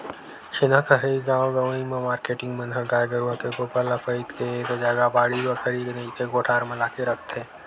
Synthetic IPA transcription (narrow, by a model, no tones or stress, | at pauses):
ʃɪnakʰəɦɾeɡaːwɡɐʋimẽmaːɾkeːʈɪ̃ŋɡmɐnɦəɡaːjɡəɾuakekopəlafəit̪keeːkod͡ʒaːɡabaːɽiɡəkʰəɾiːd̪neit̪eɡoːʈʰaːɾmɐlaːkeɾɐkʰt̪ẽː